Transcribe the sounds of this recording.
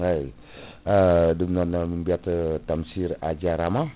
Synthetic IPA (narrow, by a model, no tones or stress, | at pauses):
aj | ədəmnanaməmbiat̪ət̪amsirad͡ʒaɾama